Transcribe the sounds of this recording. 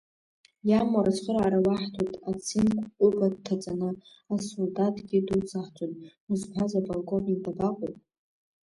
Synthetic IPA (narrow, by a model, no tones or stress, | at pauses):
jamaɾasχəɾaːɾawaħtʰotʼat͡sʰinkʷʼʊbʼadtʰːat͡sʼanɨ | asuldatʼɡʲidut͡sʰʼaħt͡ʃʼonuzpʰazabʼolkʼonidabaqʼopʼ